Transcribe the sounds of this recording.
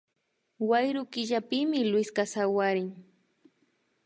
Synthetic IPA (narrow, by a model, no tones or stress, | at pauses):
wajɾʊkɪʒapɪmɪlwɪskasawaɾɪŋ